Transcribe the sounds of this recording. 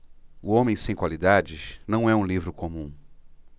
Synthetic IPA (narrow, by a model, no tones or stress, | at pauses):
ʊõmẽj̃sẽj̃kwalid̪ad͡ʒɪʃnɐ̃w̃ɛũlivɾʊkomũ